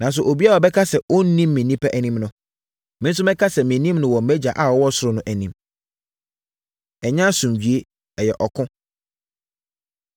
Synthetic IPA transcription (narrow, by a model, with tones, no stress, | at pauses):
nã˨ns̬ʊ˨ʔo˨bi˦a˦ɔ˨bɛ˦kʰa˦sɛ˨o˦n˦nĩ˦mː˦ɪ̃˨nĩ˦pʰɛ˦ʔæ˨nĩ˦mnʊ̃˦ | mɪ̃˦n̩˦s̬ʊ˦mɛ̃˦kʰa˦sɛ˨mɪ̃˨˦nĩ˦mnʊ̃˨wɔ̃˨m̩˨˦æ˦d͡ʑa˨ʔa˦˨wɔ˦wɔ˦sʊ˦ɾʊ˨nʊ̃˦ʔæ˨nĩ˨m | ɛ˨ɲã˦sʊ̃˨mɥᶣi˨e˦ | ɛ˨jɛ˨ʔɔ˨kʰʊ̃˦